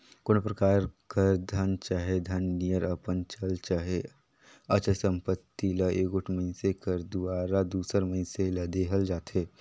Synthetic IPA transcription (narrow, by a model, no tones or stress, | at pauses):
koːnpɾəkaːɾkəɾd̪ʱənt͡ʃaːɦed̪ʱɐnːijəɾəpənt͡ʃəlt͡ʃaːɦe | ət͡ʃəsə̃mpət̪ːilaʔeːɡʊʈʰməɪnsekəɾd̪uaːɾad̪uːsəɾməɪnselɐd̪eɦəld͡ʒaːt̪eː